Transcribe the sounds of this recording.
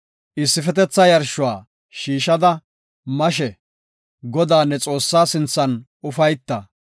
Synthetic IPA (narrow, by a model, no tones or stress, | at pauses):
ʔɪsːɪfɛt̪ɛt͡sːɐjɐɾʃʊwaː | ʃiːʃɐd̪ɐ | mɐʃ̬ɛ | ɡɔd̪aːnːɛt͡sʼo̞ːsːaːsɪnt͡sːɐnʔʊfɐjt̪ːɐ